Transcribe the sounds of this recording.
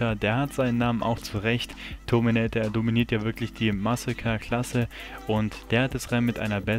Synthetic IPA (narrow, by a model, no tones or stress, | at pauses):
ɐdeːɐhatz̥aɪnənːaːmənʔa̰ʊxt͡suʁɛçttʰːominɛt̚d̥eːɐdominiːɐtjaːvɪɐklɪçd̥iːmasakʰɐkʰl̥asə | ʔʊntd̥eːɐhat̚d̥asʁɛɪmɪtʔa̰ɪnɐbɛ